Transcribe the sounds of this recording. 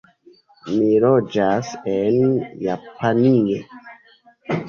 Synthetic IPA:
milod͡ʒasenjapʰanio

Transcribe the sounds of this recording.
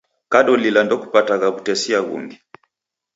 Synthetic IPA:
kaɗɔlilandɔku̥pataɣaβutɛsiaɣṵŋɡɛ

